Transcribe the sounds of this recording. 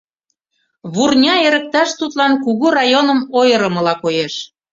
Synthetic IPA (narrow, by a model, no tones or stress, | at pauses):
βurnʲɑeɾə̆k̚t̪ɑʃt̪ut̪lɑnkuɣurɑjonəmojəɾəməlɑkojeʃ